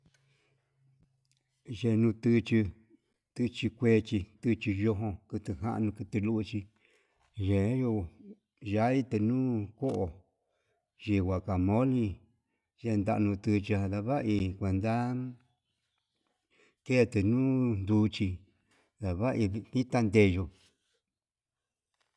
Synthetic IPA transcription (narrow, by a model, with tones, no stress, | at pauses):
ʒe˧˨˧nũ˧t̪ɨ˧t͡ʃi˧ | t̪ɨ˧t͡ʃi˧kʷe˧t͡ʃi˧t̪ɨ˧t͡ʃi˧jo˧ɦõ˧kɨ˧t̪ɨ˧ɦã̰˧ʔnũ˧kɨ˧t̪ɨ˧lu˦u˧t͡ʃi˧ | ʒe˨˦ju˧˨ | ʒa˦i˦t̪ɨ˧nũː˦ko˦ʔo˨ | ʒi˧wʷa˨ka˨mõ˦lĩ˧ | ʒe˧nd̪a̰˧ʔnũ˧t̪ɨ˧t͡ʃa˧ða˧βa˦ʔi˧kʷe˨nd̪a˦ | ke˦˧t̪ɨ˨nũ˦nd̪u˧t͡ʃi˧ | ða˨βa˦ʔi˧βi˧nĩ˦t̪a˧nd̪e˧ʒo˧